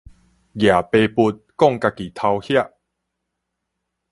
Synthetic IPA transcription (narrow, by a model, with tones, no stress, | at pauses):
ɡja˨˩pe˧pu˧t̪̚kɔ˥˨ŋka˧ki˨˩t̪ʰa˧whja˥˧ʔ